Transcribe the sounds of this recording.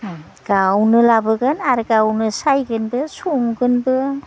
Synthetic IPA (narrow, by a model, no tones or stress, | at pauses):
ɡ̥awnɯlabɯɡɯnaɾɡawnɯsajɡɯnbɯsuŋɡɯnbɯ